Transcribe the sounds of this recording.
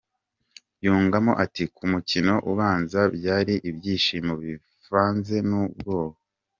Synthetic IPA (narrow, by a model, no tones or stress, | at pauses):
juːŋɡamoʔatikʰumucino̞ʔuβaːnzabjaːɾiʔibjiːʃiːmoβi | faːnze̞nub̚ɡo̞ːho